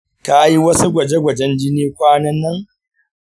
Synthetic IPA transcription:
kaː˨˦ji˦wɐ˦su˦ɡʷɐ˨d͡ʒe˦ɡʷɐ˨d͡ʒɛ˦nd͡ʒɪ˦niː˦kʷaː˦nɐ˦nːɐ˦ŋ

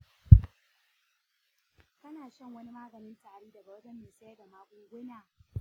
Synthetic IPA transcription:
kɐ˦naː˨ʃɐ˦˨ŋwɐ˦ni˦maː˦ɡɐ˨nɪ˦ntaː˨ɽeː˦dɐ˨ɡa˨wɐ˦dɐ˦mːeː˨sɐ˦jɐ˦rda˨maː˦kʷʊ˦ɡʷʊ˦naː˨

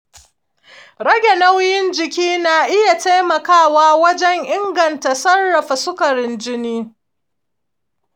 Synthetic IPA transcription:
ɽɐ˦ɡʲe˨na˦wjɪ˦nd͡ʒɪ˨kʲiː˦na˨ʔɪ˦ja˨ta˦jmɐ˨kaː˦˨waː˦wɐ˦d͡ʒɛ˦ŋʔɪ˦ŋɡɐ˨nta˨sɐ˦rːɐ˨ɸa˨sʊ˦kɐ˨ɾɪ˦nd͡ʒɪ˦niː˦

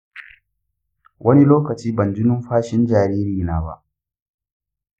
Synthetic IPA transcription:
wʔɐ˦ni˦loː˦kɐ˨t͡ʃiː˦bɐ˨nd͡ʒɪ˦nʊ˦mɸaː˦ʃɪ˦nd͡ʒaː˨ɾiː˦ɾiː˨naː˦ba̰˦ʔ

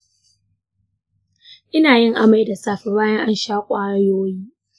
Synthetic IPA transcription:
ʔɪ˦naː˨jɪ˦ŋʔa˦ma˨jda˨saː˦ɸɪ˨baː˦jɐ˦ŋʔa˦nʃaː˦kʷʼaː˦ɽa˦joː˦jiː˦

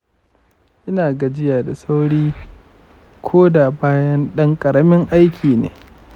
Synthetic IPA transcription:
ʔɪ˦naː˨ɡa˨d͡ʒɪ˦jaː˨da˨sa˦wɽiː˦ | kʷʰoː˦da˨baː˦jɐ˦nɗɐ˦ŋkʼɐ˨ɾɐ˦mɪ˦ŋʔa˦jkʲʰiː˨nḛː˨

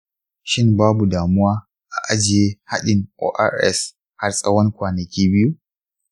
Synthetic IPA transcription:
ʃɪ˦mbaː˦bu˨daː˨mʊ˦waː˦ | ʔa˨ʔa˦d͡ʒɪ˨jeː˦ha˦ɗɪ˨ŋʔo̰ː˨˦ʔa̰˦ɾʔɛ̰˦˨s | ha˦rsʼɐ˦wɐ˦ŋkʷaː˨nɐ˨kʲiː˦bɪ˦ju˦

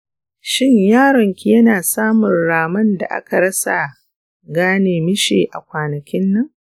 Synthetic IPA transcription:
ʃɪ˦ɲjaː˦ɾɐ˨ŋkʲi˨jɐ˦naː˨saː˦mʊ˨nɽaː˨mɐ˦nda̰˨ʔa̰˦ka˨ɽɐ˦sa˨ | ɡaː˦neː˨mɪ˦ʃḛː˨ʔa̰˨kʷaː˨nɐ˨kʲɪ˦nːɐ˦ŋ

